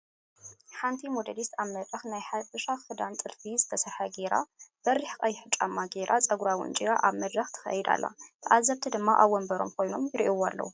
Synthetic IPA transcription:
ħant̪ʰimod̪ɐd̪ist̪aβmɐd̪ɾɐxnajħafɨʃaxɨd̪ant̪ʼɨlfizɨt̪ʰɐsɐɾħɐɡeɾa̰b̥ɐɾːiħkʼɐjɪħɨt͡ʃʼːa̰mːaɡeɾʔat͡sʼɐɡuɾawɨ̰nt͡ʃʼiɾaʔaβmɐd̪ɾɐxt̪ʰɨ̥xɐ̰jɪd̪a̰lːa̰t̪ʰʔazːɐβt̪ʰɨd̪ɨmːaʔaβwɔmbɐɾomkʰo̞jno̞mjɪɾʔiwalːɐ̰wu

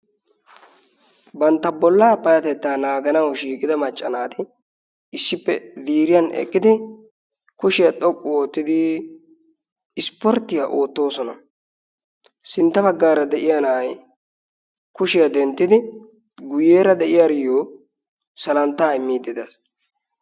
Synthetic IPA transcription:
bɐnt̪ːɐbɔlːaːpɐjɐt̪ɛt̪ːaːnaːɡɐnɐwʃiːkʼɪd̪ɐmɐt͡ʃʼːɐnaːt̪ɪ | ɪsːɪpːɛd̪iːɾɪjɐnɛ̰kʼːɪd̪ɪ | kʊʃɪjɐt̪ʼɔkʼːʊoːt̪ːɪd̪ɪ | ɪspɔɾt̪ːɪjaʔo̞ːt̪ːo̞ːsɔnɐ̰ | sɪnt̪ːɐbɐɡːaːɾɐd̪ɛʔɪjanɐj | kʊʃɪjad̪ɛnt̪ːɪd̪ɪ | ɡʊjeːɾɐd̪ɛʔɪjaːɾɪjoː | sɐlɐnt̪ːaːɪmːiːd̪ːɪd̪ɐs

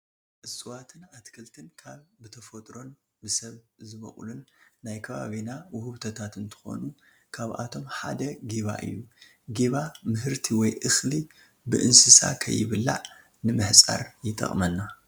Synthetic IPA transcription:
ʔɨsʼɨwat̪ʰɨnat̪kʰɨlt̪ʰɨnkʰaβbɨt̪ʰɐfot̪ʼɾo̞n | bɨsɐβzɨβɐ̰χʼlunːajkʰɐβa̰βinawʊhuβt̪ʰɐt̪ʰat̪ɨnt̪ʰɨ̥xo̞̰nu | kʰaβʔa̰t̪ʰo̞mħa̰d̪ɐɡiβa̰ʔɨ̰jːu | ɡiβamɨɦɨɾt̪ʰiwɔjʔɨxli | bɨʔɨnsɨsa̰kʰɐ̰jːɪβɨlːa̰ʕ | nɨmɨħt͡sʼa̰ɾjɪt̪ʼɐ̰χʼmɐnːa

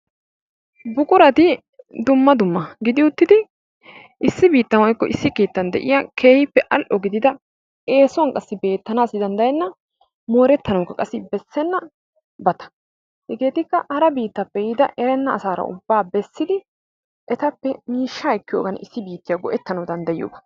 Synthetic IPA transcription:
bʊkʼʊɾɐt̪ɪ | d̪ʊmːɐd̪ʊmːɐɡɪd̪ɪʊt̪ːɪd̪ɪ | ʔɪsːɪbiːt̪ːɐnwɔjkːɔʔɪsːɪkeːt̪ːɐnd̪ɛ̰ʔɪ̰jakʰe̞ːhɪpːɛʔɐlʔɔɡɪd̪ɪd̪ɐ | e̞ːsɔɔŋkʼɐsːɪbe̞ːt̪ːɐnaːsɪd̪ɐnd̪ɐjɛnːɐ | mo̞ːɾɛt̪ːɐnɐwkːɐkʼɐsːɪbɛsːɛnːɐ | bɐt̪ɐ̥ | hɡe̞ːt̪ɪkːɐɐɾɐbiːt̪ːɐpːɛjɪd̪ɐ̰ʔɛɾɛnːɐːsaːɾɐ̰ʊ̰bːaːbɛsːɪd̪ɪ | ʔɛt̪ɐpːɛmiːʃːaːɛkːɪjoːɡɐnɪsːɪbiːt̪ːɪjɐɡɔʔɛt̪ːɐnɐwd̪ɐnd̪ɐjɪjo̰ːbɐ̥

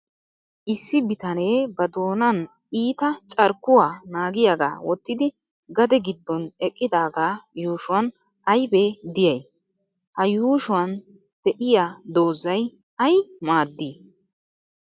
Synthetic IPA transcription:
ʔɪsːɪbɪt̪ɐneːbɐd̪o̞ːnɐn | iːt̪ɐt͡ʃʼɐɾkːʊwaːnaːɡɪjaːɡa̰ːwɔt̪ːɪd̪ɪ | ɡɐd̪ɛɡɪd̪ːɔnɛkʼːɪd̪aːɡaːjuːʃʊwɐn | ɐjbeːd̪ɪjɐj | hɐjuːʃʊwɐn | d̪̥ɛʔɪjaːd̪o̞ːzɐj | ɐjmaːd̪ːiː

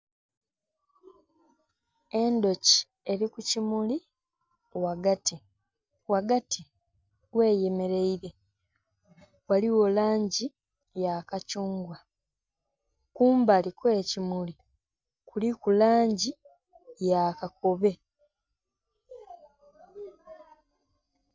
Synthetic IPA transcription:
e̞ndo̞ci̥ | e̞ɾikucimuli | waɡati | waɡati | we̞ːje̞me̞ɾe̞iɾe̞ | waliwo̞laːɲɟi | jakacuːŋɡwa | kuːmbalikwe̞cimuli | kulikulaːɲɟi | jakako̞βe̞

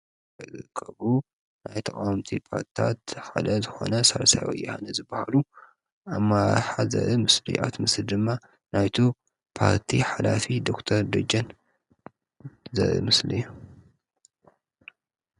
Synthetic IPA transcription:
ɐzɨkʰːɐβu | najt̪ʰɐkʼawmt̪ʰipʰaɾt̪i̥t̪ʰat̪ħa̰d̪ɐzɨxo̞̰nɐsɐɾɐsajwɐ̰jːɐhanɨzɨbːahalu | amːaɾaħazɐ̰ʔɨmɨslḭʔat̪mɨsld̪ɨmːa | najt̪ʰu | pʰaɾt̪ʰiħalafid̪o̞kt̪ʰɐɾd̪ɐd͡ʒɐn | zɐ̰ʔɨ̰mɨslɨ̰jːu

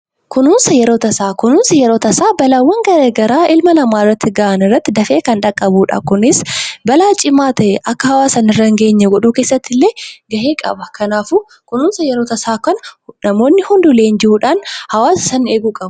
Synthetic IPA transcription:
kʊnuːnsɐjɛɾo̞ːt̪ɐsaːkʊnuːnsɐjɛɾo̞ːt̪ɐsaːbɐlaːwːɐŋɡɐɾeːɡɐɾaːʔɪlmɐnɐmaːɪrːɐt̪ːɪɡaːʔɐnɪrːɐt̪ːɪd̪ɐfe̞ːkɐnᶑɐkʼːɐbuːᶑa̰ːkʊnɪsbɐlaːt͡ʃʼɪmaːt̪ɐʔɛʔɐkːɐhɐwaːsɐnɪrːɐŋɡe̞ːɲːɛɡɔᶑuːke̞ːsːɐt̪ːɪlːeːɡɐʔeːkʼɐ̰bɐkɐnaːfuː | kʊnuːnsɐjɛɾo̞ːt̪ɐsaːkɐnɐnɐmo̞ːnːɪhʊnd̪ʊleːnd͡ʒɪhuːᶑaːnhɐwaːsɪ̥sɐne̞ːɡuːkʼɐbɐ̥

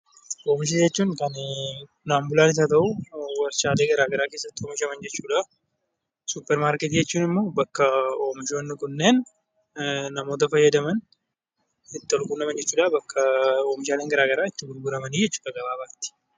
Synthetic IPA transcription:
ʔoːmɪʃ̬iːd͡ʒɛt͡ʃːuːŋkɐn | naːmbʊlaːnɪs̬aːt̪ɐʔuwɐɾʃaːle̞ːɡɐɾaːɡɐɾaːkesːɐt̪ːɪoːmɪʃɐmɐnd͡ʒɛt͡ʃːuːᶑa | supːɛɾmaːɾkɛt̪id͡ʒɛt͡ʃːuːnɪmːo̞ːbɐkːɐoːmɪʃoːnːɪkʊnːe̞ːn | ɐmo̞ːt̪ɐfɐjːɐd̪ɐmɐn | ɪt̪ːɪɔlkʊnːɐmɐnd͡ʒɛt͡ʃːuːᶑabɐkːɐoːmɪʃ̬aːleːŋɡɐɾaːɡɐɾaːɪt̪ːɪɡʊlɡʊɾɐmɐniːd͡ʒɛt͡ʃːu̥ːᶑɐɡɐbaːbaːt̪ːɪ̥

